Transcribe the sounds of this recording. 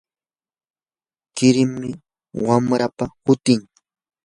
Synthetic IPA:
kɪɾɪmːɪ | wamɾapahʊt̪ɪŋ

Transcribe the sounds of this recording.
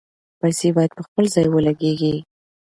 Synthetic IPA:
pajsebɑjad̪̚pəxpəlzɑjwəlaɡeɡi

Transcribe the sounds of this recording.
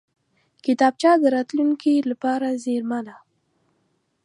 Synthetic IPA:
kɪt̪ɑb̚t͡ʃɑd̪əɾɑt̪luŋkilapɑɾazeɾmala

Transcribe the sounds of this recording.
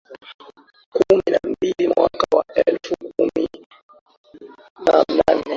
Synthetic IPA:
kuminambilimwʔakawaʔɛlfukumi | nananɛ

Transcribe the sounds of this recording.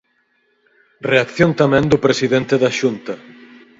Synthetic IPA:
reakθjõnt̪amɛ̃nd̪ʊpɾesiðent̪eðɐʃunt̪ɐ

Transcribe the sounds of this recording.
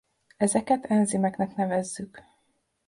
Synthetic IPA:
ɛzɛkɛt̪ʰɛnzimɛknɛkn̪ɛvɛzːyk

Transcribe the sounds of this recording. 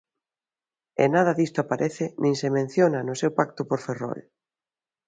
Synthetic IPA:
ḛnað̞ɐðist̪ʊapaɾʔeθɪnʔĩŋsemẽn̟θjonanʊsewpakt̪ʊpoɾferɔ̰l

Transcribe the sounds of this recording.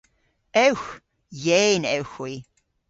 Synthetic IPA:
ʔɛwx | jeːnɛwxwi

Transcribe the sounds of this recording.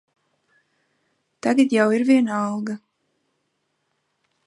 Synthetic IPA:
t̪aɡat̪jawiɾvʲiɛnaɑlˠɡa

